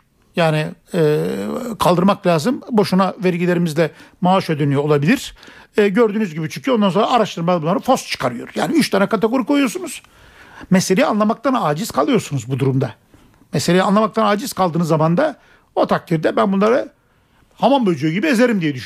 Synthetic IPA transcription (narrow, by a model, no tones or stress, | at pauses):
jaːni | ɛːkʰalˠd̪ɯɾmaklʲaːzɯmbo̞ʃunavæɾɟilʲe̞ɾimizlʲɛmaːʃød̪ynyjoolˠabilʲiɾ̥ɛːɟøɾd̪yːnyzɟibit͡ʃʰyɲcʰyo̞nd̪anso̞nɾaaɾaʃt̪ɯɾmabunːˠaɾɯfo̞st̪t͡ʃʰɯ̥kʰaɾɯjo̰ɾja̰ːniyt͡ʃt̪ʰanɛkʰat̪eɡo̞ɾikojujoɾsunuz̥ | mɛselʲejianlˠamak̚t̪ʰanaːd͡ʒiz̥kʰalˠɯjo̞ɾsunuzbud̪uɾumd̪a | mɛseejianlˠamak̚t̪ʰanaːd͡ʒiz̥kʰalˠd̪ɯːnɯzːamand̪a | ot̪ʰak̚t̪ʰiɾd̪ɛbænbunlˠaɾa | hamanbød͡ʒyjyɟibieze̞ɾimd̪ijɛd̪yʃ